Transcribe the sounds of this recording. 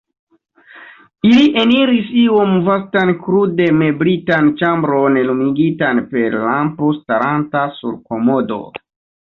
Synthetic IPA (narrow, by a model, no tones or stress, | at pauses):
iliʔe̞niɾisio̞mvastankɾude̞me̞bɾitant͡ʃambɾo̞nlumiɡitanpe̞ɾlampostaɾantasṵɾko̞mo̞do̞̰